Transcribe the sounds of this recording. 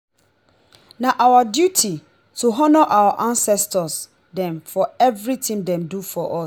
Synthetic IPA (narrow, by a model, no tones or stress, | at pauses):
nãʔawadjutʰi | tʰuɦɔnɔʔawaʔãnsɛstʰɔs | dɛ̃mfɔɛvɾitʰɪ̃ŋdɛ̃mdufɔʔɔs